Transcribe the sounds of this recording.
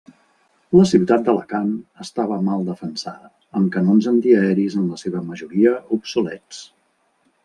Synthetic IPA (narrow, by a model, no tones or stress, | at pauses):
ləsiwt̪at̪̚d̪ələ̰kanəst̪aβ̞əmalˠd̪əfənsaðə | əmkənonzənt̪iəɛɾizənləseβəməʒuɾiəupsulɛt͡s